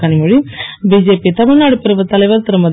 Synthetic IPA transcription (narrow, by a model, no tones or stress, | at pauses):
ɐnimuɻibiːd͡ʒeːpit̪ɐmɪɻnaːɽupɪɾɐʋɐt̪ɐlɐjʋɐɾt̪ɐɾɐmɐd̪